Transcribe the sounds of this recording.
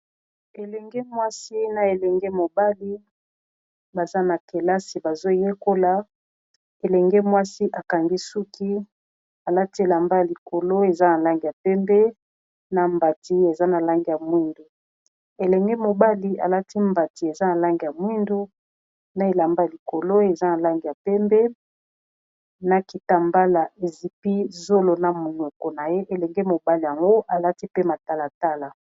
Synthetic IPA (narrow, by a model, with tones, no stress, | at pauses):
e˨lɛ˨ŋɡɛ˦mwa˦si˦na˨e˨lɛ˨ŋɡe˦mo˨ba˦li˦ | ba˨za˦na˨ke˨la˦si˨ba˨zo˦je˦ko˦la˨ | e˨lɛ˨ŋɡe˦mwa˦si˦ʔa˨ka˨ŋɡi˦su˦ki˦ | a˨la˦ti˦e˨la˨mba˦ja˨li˨kʰo˨lo˦e˨za˦na˨la˦ŋɡi˨ja˨pɛ˦mbɛ˦ | na˨mba˨ti˦e˨za˦na˨la˦ŋɡi˨ja˨mwi˦ndo˨ | e˨lɛ˨ŋɡɛ˦mo˨ba˦li˨a̰˨la˦tʰi˦mba˨ti˨e˨za˦na˨la˦ŋɡi˨ja˨mwi˦ndo˦ | na˦e˨la˨mba˦a˨li˨ko˨lo˦e˨za˦na˨la˦ŋɡi˨ja˨pɛ˦mbɛ˦ | na˨ki˨ta˨mba˦la˨ʔe˨zi˨pi˦zo˦lo˨na˨mo˨ɲɔ˨kɔ˨na˨je˦ʔe˨lɛ˨ŋɡɛ˦mo˨ba˦li˨ja˨ŋɡo˦ʔa˨la˦ti˦pe˦ma˨ta˦la˨ta˦la˨